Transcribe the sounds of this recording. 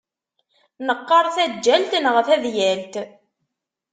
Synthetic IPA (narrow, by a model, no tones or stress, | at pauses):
nəqːɑɾˤθæd͡ʒːælt̪ənʁəfæðjælt̪